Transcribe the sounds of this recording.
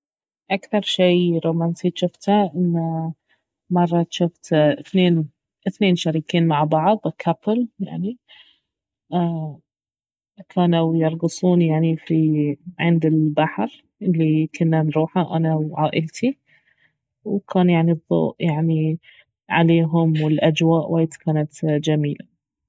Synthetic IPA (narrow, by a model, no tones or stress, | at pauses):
ʔakθɑɾˤʃijɾoːmansit̪ʃʊft̪haʔɪnːa | mɑrˤːɑt̪ʃʊft̪ɪθneːn | ʔɪθneːnʃaɾiːkiːnmaʕbɑʕðˤkʰapɪlja̰ʕni | ʔaː | kʰaːnawjɑɾˤɡɨsˤuːnjaʕnifiʕɪnd̪ɪlbaħɾ | ʔɪlːikʰʊnːanɾuːħaʔanawʕaːʔɪlt̪ʰi | wkʰaːnjaʕniðˤːo̰ːʔjaʕni | ʕa̰leːɦʊmwɪlʔad͡ʒwaːʔwaːjt̪kaːnat̪d͡ʒamiːla